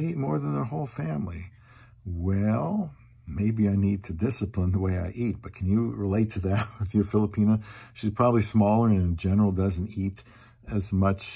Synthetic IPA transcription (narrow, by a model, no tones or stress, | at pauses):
it̚mɔɹðə̃nðə˞hoʊlˠfæ̃mli | wɛlˠ | meɪbiaɪnid̚tʰɨdɪsɨpʰlə̃nðəweɪaɪʔit̚b̥ʌt̚kʰɨ̃n̩jɨɹɪleɪtʰɨðɨt̚wɪðjə˞fɪlˠəpʰĩñoʊʃiz̥pʰɹ̥ɑbəblismɔlˠə˞ɨ̃nɨd͡ʒɛnə˞l̩ˠdʌz̃n̩tiɾ | ɨzmʌt͡ʃ